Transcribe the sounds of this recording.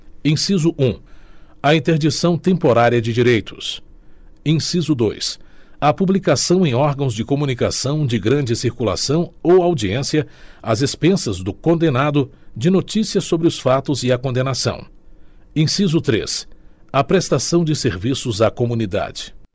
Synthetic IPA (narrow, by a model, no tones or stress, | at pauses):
ẽsizʊʔũɐĩnt̪eɾd͡ʒisɐ̃w̃t̪ẽmpoɾaɾiɐd͡ʒɪd͡ʒiɾejt̪ʰʊ̥s | ẽsizʊd̪o̰jsɐpublikasɐ̃w̃ẽj̃ɔɾɡɐ̃w̃zd͡ʒɪkomũnikasɐ̃w̃d͡ʒɪɡɾɐ̃d͡ʒɪsiɾkula̰sɐ̃w̃owawd͡ʒiẽsiɐɐzespẽsɐzd̪ʊkõnd̪enad̪ʊd͡ʒɪnot͡ʃisiɐsobɾɪʊsfat̪ʊziɐkõnd̪enasɐ̰̃w̃ | ẽsizʊt̪ɾḛsɐpɾest̪asɐ̃w̃d͡ʒɪseɾvisʊzɐkomũnid̪a̰d͡ʒɪ̥